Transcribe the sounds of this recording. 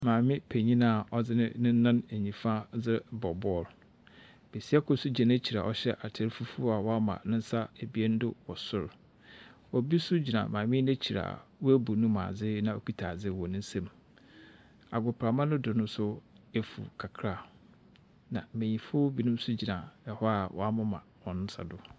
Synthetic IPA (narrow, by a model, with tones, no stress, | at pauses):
mãː˨mɪ̃˦pʰæ˨ɲĩ˦nã˦˨ɔ˦d͡zɪ˦nɪ̰̃˦nɪ̃˦nã˦næ˨ɲĩ˨fã˦d͡zɪ˦bɔ˨bɔ˦˨ɾ | b̥e˨si˦a˦kʰʊ˦sʊ˦d͡ʑɛ̃˨næ˦t͡ɕʰi˨ɾa̰˨ɔ˨ɕɛ˦ʔa˨tʰe˨ɾfu˦fu˦a˨wɔ˦a˦mã̰˨nʊ̃˦n˦sa˦æ˨bi˦ɛ˦n˦dʊ˦wɔ˨sʊ˦ɾ | ɔ˨bi˦sʊ˦d͡ʑi˨nã̰˨mãː˨mɪ̃˦næ˦t͡ɕʰi˨ɾa̰˨wɔ˦æ˦bu˨nʊ̃˦mã̰˨d͡zɪ˦nã˨o˦ki˦tʰa˨d͡zɪ˦wɔ˨nʊ̃˦n̩˦sɛ̃˦˨m | a˨ɡʊ˨pʰɾa˨mã˦nʊ̃˦dʊ˨nʊ̃˦sʊ˦ | e˦fṵ˨kʰa˨kʰɾa˦˨ | nã̰˨mẽ˨ɲĩ˨fʊ˦bi˦nʊ̃˦m˦sʊ˦d͡ʑi˨nã˨ɛ˨hɔ˦a˨wʔɔ̰˦a˦mʊ̃˦mã̰˨wɔ̃˨nʊ̃˦sa̰˨dʊ˦